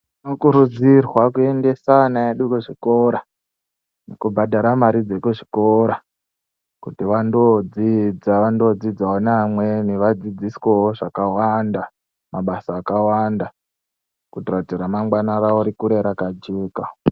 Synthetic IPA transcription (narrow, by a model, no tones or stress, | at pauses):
nokuɾud͡zirwakue̞nde̞sanaeɗukuʐiko̞ɾa | nekubʱadʱaɾamaɾid͡zekuʐikoɾa | kutiʋandod͡zid͡zaʋando̞d͡zid͡zaonamweniʋad͡zid͡ziswewoʐakawanda | maɓasaːkawanda | kutiratiɾamaŋɡwanaraoɾikuɾeɾakad͡ʒeːka